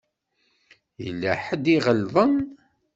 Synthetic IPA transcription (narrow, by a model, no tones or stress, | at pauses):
jə̰lːæħəd̪iʁəlðˤən